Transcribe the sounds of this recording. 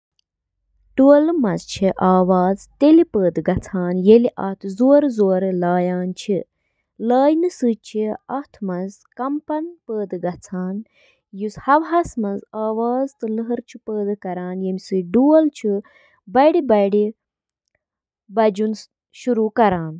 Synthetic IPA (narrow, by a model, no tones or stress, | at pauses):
ɖ̥uəlmɐnzt͡ʃʰiʔaːʋaːzt̪elipəːd̪ɡɐt͡sʰaːnjeliʔɐ̰t̪ʰzoːɾzoːɾlaːjaːnt͡ʃʰi | laːjnɨsɨt͡ʃʰiɐt̪ʰmɐnz | kɐmpɐnpəːd̪ɨɡɐt͡sʰaːn | jushɐʋɦɐsmɐnzaːʋaːzt̪ɨlɨɦɐɾt͡ʃʰipəːd̪ɨkɐɾaːnjemʲisɨɖuɐlt͡ʃʰi | bɐɽibɐɽi | bɐd͡ʒun | ʃuɾuːkɐɾaːn